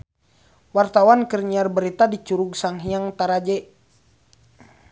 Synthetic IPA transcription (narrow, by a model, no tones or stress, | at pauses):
wart̪awankərɲiarbəɾit̪adit͡ʃuɾuɡsaŋɦiaŋt̪aɾad͡ʒɛ